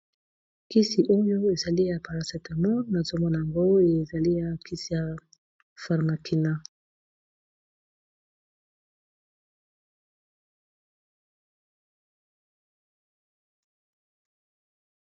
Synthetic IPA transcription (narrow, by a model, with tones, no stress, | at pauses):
ki˦si˨ʔo˦jo˦e˨za˨li˦ja˨pa˨la˨sɛ˨ta˨mɔ˦na˨zo˦mɔ˦na˨ja˨ŋɡo˦e˨za˨li˦ja˨kʰi˦si˨ja˨ | fa˨ʁma˨kʰi˨na˦